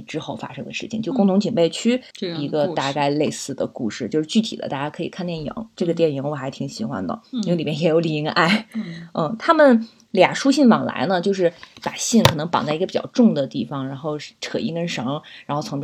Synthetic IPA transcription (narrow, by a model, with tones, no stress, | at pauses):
ʈ͡ʂɻ̩˥xo˥˩ʊfa̰˥ʂɤ˥˧ŋd̪ə̰˧ʂɻ̩˥˩t͡ɕʰḭ˨˩ŋt͡ɕjo˥˩ʊkʊ˥˩ŋt̪ʰʊ˧˥ŋt͡ɕʰi˨˩npe˥˧ɪt͡ɕʰy˥ | i˧˥ɡə˧a˥˧ka˥˧ɪle˥˧ɪsɹ̩˥˩d̪ə̰˩kṵ˥˧ʂɻ̩˥˩t͡ɕjo˥˧ʂɻ̩˥˧t͡ɕy˥˩t̪ʰḭ˨˩d̪ə̰˦t̪a˥˧˩t͡ɕja˥kʰɤ˧˥ḭ˨˩kʰa˥˧nt̪jɛ˥˩njḭ˧˥ŋʈ͡ʂɤ˥˩ɡə˩t̪jɛ˥˩nji˧˥ŋwɔ˨˩xa˧˥ɪt̪ʰi˧˩˥ŋɕi˨˧˥xwa̰˥nd̪ə̰˩˥˧li˨˩mjɛ˥njɛ˧˥jo˧˥li˥˩i˧˥ŋ˧ʔa˥˩ɪn̩˥˩t̪ʰa˥mə˨n | lja̰˨˩ʂu˥ɕi˥˩nwɑ̰˨˩ŋla̰˧˥ɪnə˧t͡ɕjo˥˧ʊʂ̬ɻ̩˥˩pa˨˩ɕi˥˩nkʰɤ˨˩nɤ˧˥ŋpɑ˨˩ŋt͡sa˥˩i˧˥ɡə˧pi˨˩t͡ɕjɑ̰˥˧ʊʈ͡ʂʊ˥˩ŋd̪ə˩t̪i˥˩fɑ˩ŋɻa˧˥nxo˥˩ʊʈ͡ʂʰɤ˨˩ḭ˥˩kə˥nʂɑ˧˥ŋɻa˧˥nxo˥˩ʊt͡sʰ